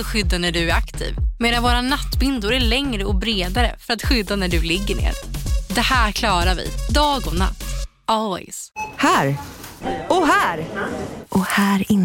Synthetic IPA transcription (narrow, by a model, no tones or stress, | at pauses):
ɔɧʏd̪ːanæɖɵæɾakt̪ʰḭːvmeːd̪anvoːɾanat̪ːbɪnd̪ʊɾæɭɛŋɾəɔbɾeːd̪aɾə̰fœɾat̪ɧʏd̪ːanæɖɵlɪɡːəɳḛːɾd̪ɛhæːɾkʰlɑːɾavɪ̰d̪ɑːɡɔna̰t̪ː | ɔlwɛ̰shæːɾ | ɔɦæːɾʔɔhæːɾɪ